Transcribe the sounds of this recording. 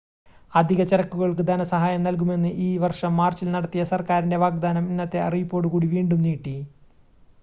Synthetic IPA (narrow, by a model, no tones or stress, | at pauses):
ɐd̪ʱiɣɐt͡ɕeɾɐkːuɣɐɭkɨd̪ʱɐnɐsɐɦaːjɐmnɐlk̬ume̞nːɨʔiːʋɐrʂɐmːaːrt͡ɕilnɐɽɐt̪ːijɐsɐrkaːɾinde̞ʋaːɡ̚d̪aːnɐminːɐt̪ːe̞ɐ̰rijupːoːɽuɣuːɽiʋiːɳɖumniːʈːi